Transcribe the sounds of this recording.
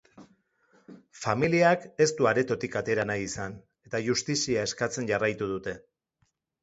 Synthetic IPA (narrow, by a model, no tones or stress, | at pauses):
familiake̞st̪uaɾe̞t̪o̞t̪ikat̪e̞ɾanajisan | e̞t̪aʝust̪isiae̞skat͡se̞nʝarajt̪uð̞ut̪e̞